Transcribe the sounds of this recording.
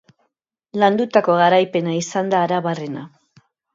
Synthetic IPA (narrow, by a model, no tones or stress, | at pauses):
land̪ut̪ako̞ɣaɾajpe̞naisand̪aːɾaβare̞na